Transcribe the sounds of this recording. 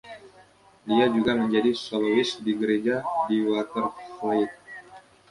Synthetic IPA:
diad͡ʒuɡaməɲd͡ʒadisɔlowɪsdiɡəɾed͡ʒadiwat̪ərflaɪt̪̚

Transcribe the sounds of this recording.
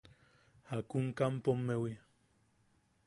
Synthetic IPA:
hakuŋkampomːewi

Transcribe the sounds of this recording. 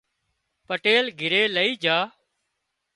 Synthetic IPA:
pəʈeːlɡʱɪɾeːləiːd͡ʒaː

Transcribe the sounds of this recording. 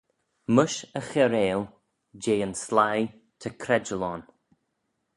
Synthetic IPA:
məʃəxɛɾeːl | d͡ʒeːənslaj | t̪ʰəkʰɾɛd͡ʒəlɔn

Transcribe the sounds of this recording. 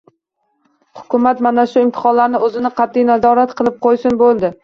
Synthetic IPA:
hʊ̥kʰʲʊmat̪manaʃʊɪmt̪ʰɪ̥χɒnlaɾnɪɵzɪnɪqʰɑt̪ʰːɪjnazɒɾat̪qʰɨlˠɪp̚qʰojsɪnbolˠd̪ɪ

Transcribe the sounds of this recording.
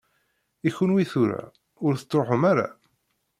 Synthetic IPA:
içunwiθuɾa̰ | ʊɾθə̥t̪ˤːɾoħəmaɾa̰

